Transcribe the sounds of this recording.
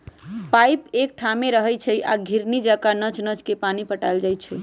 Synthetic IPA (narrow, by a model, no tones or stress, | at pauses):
pajpek̚ʈʰameɾəɦɛt͡ʃʰəjʔa̰ɡʱiɾnid͡ʒakanət͡ʃnət͡ʃkepanipəʈajld͡ʒajt͡ʃʰə